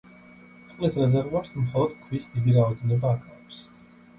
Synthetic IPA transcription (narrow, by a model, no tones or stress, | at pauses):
t̪sʼqʼlisɾɛzɛɾvuaɾsmχɔlˠɔd̪̥̚kʰwisd̪id̪iɾaɔd̪ɛnɔbaːkʰʼavɛps